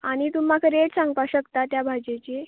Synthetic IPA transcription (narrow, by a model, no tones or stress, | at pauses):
aɽ̃it̪umːakʰəɾeɽsãŋɡpaɕəkt̪at̪jabʱad͡ʑet͡ɕe